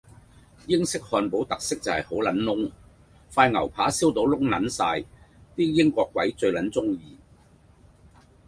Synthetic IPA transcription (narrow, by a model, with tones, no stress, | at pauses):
jɪ˥ŋsɪ˥k̚hɔː˧npo˨˥wt̪ɐ˨k̚sɪ˥k̚t͡sɐ˨whɐ˨˩jho˨˥wlɐ˨˥nnʊ˥ŋ | faː˧jŋɐ̰˨˩wpʰaː˨˥siː˥wt̪o˧wlʊ˥ŋnɐ̰˨˥nsaː˧jt̪iː˥jɪ˥ŋkʷɔː˧kːwɐ˨˥jt͡sɵ˧ɥlɐ˨˥nt͡sʊ˥ŋjiː˧